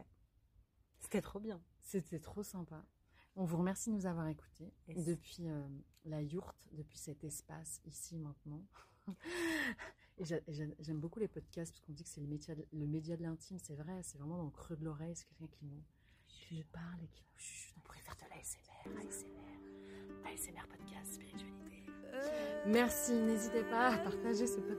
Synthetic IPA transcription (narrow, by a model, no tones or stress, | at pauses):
wɛ | se̥t̪ɛt̪χobjɛ̃ | set̪ʰɛt̪χosɛ̃pa | ɔ̃vuʁəmɛʁsid̪ənuzavwaʁeku̥t̪ed̪əpɥiølajuʁt̪d̪əpɥisɛt̪ɛspasisimɛ̃t̪nɑ̃ | eʒaʔeʒɛʒɛmbokulepɔd̪kʲast̪̚pḁskɔ̃d̪ikə̥sɛləmed̪jad̪ləmed̪jad̪əlɛ̃t̪ʰimsɛvʁɛsɛvʁɛmɑ̃d̪ɑ̃ləkχød̪lɔʁɛjsɛ̥kʲɛlkʲɛ̃kʲinə | kʲʰinupaʁlekʲʰi̥ɔ̃puʁɛfɛʁd̪əlaɛsemɛʁaɛsemɛʁaɛsemɛʁpɔd̪kʲast̪spiʁit̪ɥalit̪e | mɛʁsinezit̪epaːpaʁt̪aʒesəpɔ